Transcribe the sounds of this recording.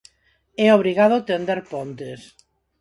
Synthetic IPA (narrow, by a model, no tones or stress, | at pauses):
ɛoβ̞ɾiɣað̞ot̪end̪eɾpont̪es